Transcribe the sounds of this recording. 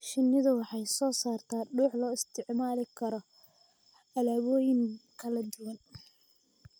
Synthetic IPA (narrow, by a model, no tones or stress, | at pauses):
ʃɪnːɪðɐwɑħɑjsɔːsaːrt̪ʰaːɖuːħlɔːɪst̪ʰɪʕmaːlɪkʰɐɾɔ | ɐlaːβɔːjɪŋkʰɐlɐd͡ʒʊwɐn